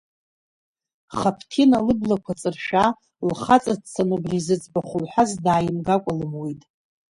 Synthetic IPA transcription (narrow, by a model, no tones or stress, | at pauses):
χapʰtʰinalɨblakʷʰat͡sʼɨrʃᶣa | lχat͡sʼadt͡sʰanubrizɨt͡sʼbaχʷʊlħʷazdaːjɪmɡakʷʼalɨmwitʼ